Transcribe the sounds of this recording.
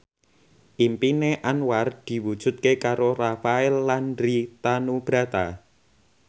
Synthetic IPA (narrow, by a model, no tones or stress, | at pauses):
ʔimpineʔanward̪̥i̤wud̥ʒ̥ṳt̪̚kekaɾorafaɛlːanɾit̪anub̥ɾa̤t̪a̰